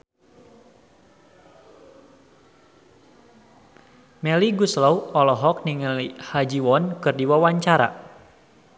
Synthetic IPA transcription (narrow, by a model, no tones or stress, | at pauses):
mɛliɡuslɔwɔlɔɦɔk̚niŋlihad͡ʒiwɔnkɨrdiwawaɲt͡ʃaɾa̰